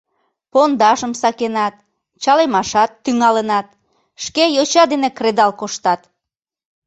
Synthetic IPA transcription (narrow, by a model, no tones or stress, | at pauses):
pond̪ɑʒəmsɑkenɑt̪̚ | t͡ɕɑlemɑʃɑt̪ːyŋɑlənɑt̪̚ | ʃkejot͡ɕɑd̪enekred̪ɑlkoʃt̪ɑt̪